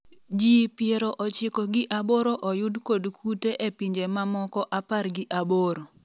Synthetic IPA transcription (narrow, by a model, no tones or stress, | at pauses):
d͡ʒipɪeɾoʔɔt͡ʃɪkɔɡɪʔaboɾoʔɔjʊdkodkʰuteʔepiɲd͡ʒemamɔkɔʔaparɡɪʔaboɾo